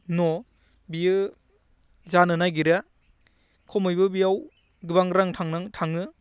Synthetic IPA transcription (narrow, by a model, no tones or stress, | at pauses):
nɔ | biɯ | zanɯnajɡiɾa | kʰɔmɯjbɯbijaw | ɡɯbaŋɾaŋtʰaŋnaŋtʰaŋɯ